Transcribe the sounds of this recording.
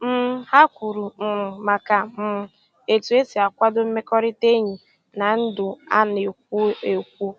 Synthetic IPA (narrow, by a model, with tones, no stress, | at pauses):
m̩˦ha˦kʷu˨ɾu˨m̩˨ma˨ka˨m̩˦˨ | e˨tu˨e˦si˨a˨kʷa˦dʊ˦m̩˦me˦kɔ˦ɾi˦te˦ɲi˨ | na˨n̩˦dʊ˨a̰˦ne˨k̚ʷu˦e˨kʷu˦